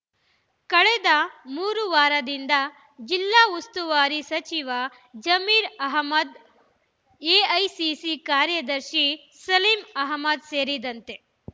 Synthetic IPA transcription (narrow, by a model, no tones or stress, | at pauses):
kɐɭed̪ɐmuːɾuʋaːɾɐd̪ind̪ɐ | d͡ʒilːaːust̪uʋaːɾisɐt͡ʃiʋɐ | d͡ʒɐmiːɾɐɦmɐd̪ | eːɐjsisikaːɾjɐd̪ɐɾʃi | sɐliːmɐɦmɐd̪seːɾid̪ɐnt̪e